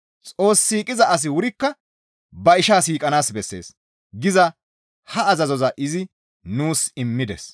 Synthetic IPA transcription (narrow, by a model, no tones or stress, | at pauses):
t͡sʼo̞ːsːiːkʼɪzɐʔɐs̬ɪwʊɾɪkːɐ | bɐɪʃaːsiːkʼɐnaːsbɛsːe̞̰ːs | ɡɪzɐ | hɐːzɐzɔzɐʔɪzɪ | nuːsɪmːɪd̪ɛs